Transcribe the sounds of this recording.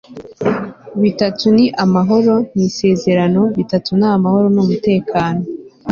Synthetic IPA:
βitatuniʔamaɦo̞ɾo̞nise̞ːze̞ɾano̞βitatunamaho̞ɾo̞numute̞ːkaːno̞

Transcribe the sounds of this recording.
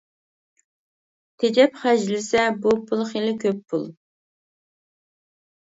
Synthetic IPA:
t̪ʰed͡ʒɛpχæd͡ʒlɪsɛbupʰulˠχelɪkʲʰøpʰːṵlˠ

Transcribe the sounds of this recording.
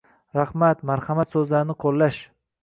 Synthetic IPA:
ɾahmat̪maɾhamat̪sɵzlaɾɪnɪqʰolˠːaʃ

